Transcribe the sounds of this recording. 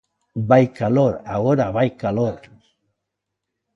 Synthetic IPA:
bajkaloɾaɣoɾaβajkaloɾ

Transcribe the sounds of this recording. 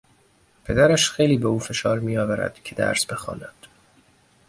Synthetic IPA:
pʰe̞d̪æɾæʃxejliːbeuːfe̞ʃɒːɾmiːjɒːvæɾæ̰d̪̥cʰe̞d̪æ̰ɾsb̥e̞xɒ̰ːnæd̪̥

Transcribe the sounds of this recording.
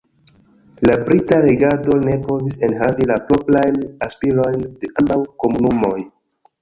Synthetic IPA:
labɾitaɾeɡado̞ne̞po̞vise̞nɦavilapɾoplajnaspiɾo̞jnde̞ʔambawko̞munumo̞j

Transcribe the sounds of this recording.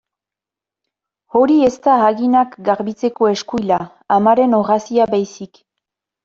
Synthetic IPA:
o̞ɾie̞st̪aaɣinakɡaɾβit͡se̞ko̞e̞skujlaː | maɾe̞no̞ɣasiabajsik

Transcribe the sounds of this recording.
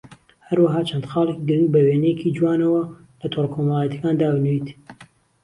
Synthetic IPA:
hɐɾwɐɦaːt͡ʃʰɐnd̪xɑːlˠɨkiɡɨɾɪŋɡbɐweːnɛjɛkʰid͡ʒwaːnɐwɐ | lɐt̪ʰoɾkʰomɑlˠajɛt̪ʰjekaːnd̪aːbɨnwiːt̪

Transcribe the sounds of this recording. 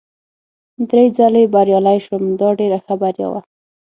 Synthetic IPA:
d̪ɾejd͡zalebaɾjɑlajʃwəmd̪ɑɖeɾaxabaɾja̰wa̰

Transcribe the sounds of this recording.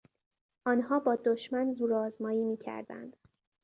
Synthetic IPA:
ʔɒːnhɒːbɒːd̪oʃmænzuːɾɒːzmɒːjiːmiːcʰæ̰ɾd̪æ̰nd̪̥

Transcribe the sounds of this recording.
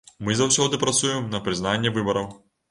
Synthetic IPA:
mɨzɐwsʲɔd̪ɨpɾɐt̪sujɛmnɐpɾɨznanʲːɛvɨbɐɾɐw

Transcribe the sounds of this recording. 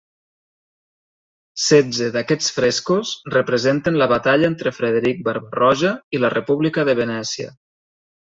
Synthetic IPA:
sɛd͡zəðakɛt͡sfɾeskosrəpɾəzent̪ənləβat̪aʎəent̪ɾəfɾeðeɾik̚bəɾβrɔʒəilərʔəpuβlikəðəβenɛsiə̰

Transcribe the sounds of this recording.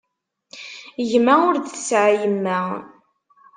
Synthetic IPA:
ʝmæʊɾðθsʕjəmːæ

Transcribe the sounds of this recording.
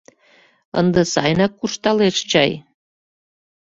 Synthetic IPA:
ə̰nd̪əsɑ̰jnɑkːuʃt̪ɑleʃt͡ɕɑj

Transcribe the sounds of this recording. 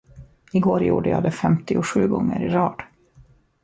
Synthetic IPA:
ɪɡoːɾjṵːɖəjɑ̰ːd̪ɛfɛmt̪ɪʊɧʉ̟ːɡɔŋːəɾɪɾɑːd̪̥

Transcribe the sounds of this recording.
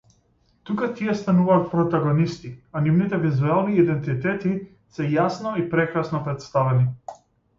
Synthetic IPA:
t̪ukat̪iɛst̪anuvaːt̪̚pɾɔt̪aɡɔnist̪ianivnit̪ɛvizualˠniːd̪ɛnt̪it̪ɛt̪i | sɛjasnɔipɾɛkɾasnɔpɾɛt̪st̪avɛni

